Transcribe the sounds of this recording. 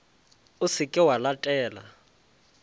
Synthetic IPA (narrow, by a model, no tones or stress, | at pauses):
ʊsɪkʼɪwalatʼɛːla̰